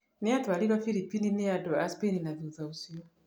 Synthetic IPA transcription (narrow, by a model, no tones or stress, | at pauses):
niatɔalilwafilipininiadɔaspɛninaviuðausiwa